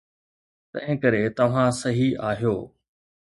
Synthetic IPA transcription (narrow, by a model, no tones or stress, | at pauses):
t̪ɐ̰̃ɦɪ̃kɐɾet̪ɐʋ̤ãsɐɦiʔaːɦijoː